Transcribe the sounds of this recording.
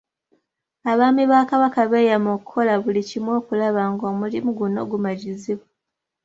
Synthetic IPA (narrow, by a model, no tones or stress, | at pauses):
aβaːmiβaːkaβakaβeːjamokukʰo̞laβulicimwo̞ːkulaβaŋɡo̞ːmulimuɡuno̞̰ɡumaɟiziβa